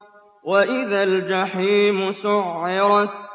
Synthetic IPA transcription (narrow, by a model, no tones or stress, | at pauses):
waʔɪðald͡ʒaħiːmʊsʊʕːɪɾɑ